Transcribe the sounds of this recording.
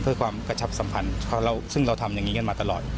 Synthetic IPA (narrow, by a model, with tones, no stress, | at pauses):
pʰɯ˥˩kʰwaː˧mkɾa˧t͡ɕʰa˦˥p̚sa˨˩˦mpʰa˧nʰ˧ɾa˧wsɯ˥˩ŋɾa˧wt̪ʰa˧mja˨˩ŋiː˦˥ka˥˩maː˧t̪a˧lɔː˨˩t̪̚